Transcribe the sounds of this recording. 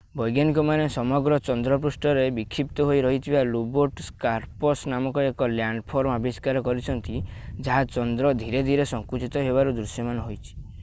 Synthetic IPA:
bɔjɡjanikɔmanesɔmɔɡɾɔt͡ʃɔnd̪ɾɔp̬ɾusʈɔɾebikʰɾip̚t̪ɔɦojɾɔɦit̪ʰibaluboɾʈskaɾpɔsnamɔkɔekɔljaɳɖpʰɔɾmabiskaɾɔkɔɾit͡ʃʰɔnt̪id͡ʒaɦat͡ʃɔnd̪ɾɔd̪ʱiɾed̪ʱiɾesɔŋkut͡ʃit̪ɔɦebaɾud̪ɾusjɔmanɔɦojt͡ʃʰi̥

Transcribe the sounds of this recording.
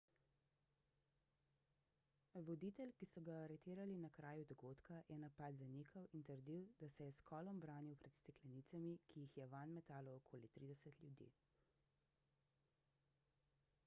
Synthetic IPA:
ʋɔd̪iːt̪ɛlkisɔɡaɾɛt̪iːɾalinakɾaːjud̪ɔɡoːt̪kajɛnapad̪zaniːkʰawint̪əɾd̪iwd̪asɛjɛskɔːlɔmbɾaːniwpɾɛt̪st̪ɛklɛnit̪samikʰijixjɛʋanmɛt̪aːlɔːkʰoːlit̪ɾiːd̪ɛsət̪lʲjud̪ḭ

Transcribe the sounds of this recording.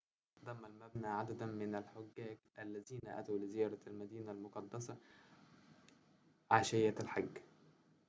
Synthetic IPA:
d̪ˤɑmːælmæbnæːʕad̪æd̪ænmɪnælħoɡːæːɡʔælːæziːnæ̰ʔæ̰t̪awlɪzɪjɑːɾˤɑælmæd̪iːnælmoqɑd̪ːɑsɑ | ʕaʃɪjælħaɡː

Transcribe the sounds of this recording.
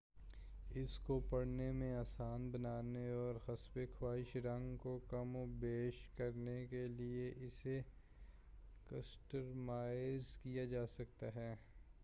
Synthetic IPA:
ɪskopɐɽnemẽaːsaːnbɐnaːneɔːɾxɐsbekʰwaːɪʃɾɐ̃ŋɡkokɐmbeːʃkɐɾnekelieʔɪse | kɐsʈəɾmaːɪzkijad͡ʒaːsɐkt̪aɦɛː

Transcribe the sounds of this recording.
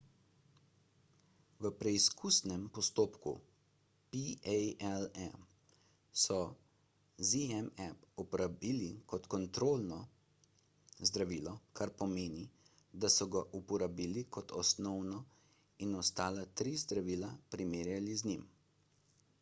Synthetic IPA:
ʋəpɾɛiskʰusnɛmpɔst̪oːpkṵ | piɛjɛlɛm | sɔ | ziɛmɛpupɔɾabiːlikɔt̪kɔnt̪ɾoːlnɔ | zd̪ɾaʋiːlɔkʰaɾpɔmeːni | d̪asɔɡaʔupɔɾabiːlikɔt̪ʰɔsnɔwnɔ | inɔst̪aːlat̪ɾizd̪ɾaʋiːlapɾimeːɾjaliznim

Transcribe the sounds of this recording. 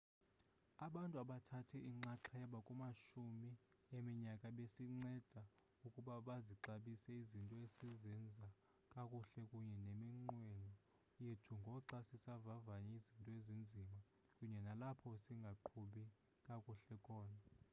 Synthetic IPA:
aɓantʼuaɓatʰatʰɛiŋ͡ǀaǁʰajaɓakʼumaʃumi | emiɲakʼaɓesiŋ͡ǀɛd̥ʱa | ukʼuɓaɓaziǀaɓisɛizintʼɔesizɛnd͡zʱa | kʼakʼuɬɛkʼuɲɛnemiŋ͡ǃwɛnɔ | jetʰuŋɡʱɔǀasisavavaɲɛizintʼɔezind͡zʱima | kʼuɲɛnalapʰɔsiŋɡʱaǃʰuɓi | kʼakʼuɬɛkʰʼɔːna

